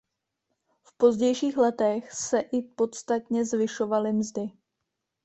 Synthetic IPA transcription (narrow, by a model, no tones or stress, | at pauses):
fpo̞zɟɛjʃiːxlɛt̪ɛxsɛʔɪpo̞t̪st̪at̪ɲɛzvɪʃo̞valɪmzdɪ